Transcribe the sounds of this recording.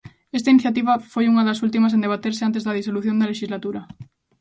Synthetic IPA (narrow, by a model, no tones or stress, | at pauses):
est̪ainiθjat̪iβ̞ɐfojuŋɐðɐs̬ult̪̬imɐs̬end̪eβat̪eɾseant̪̬ezðɐðisoluθjond̪ɐleʃizlat̪uɾɐ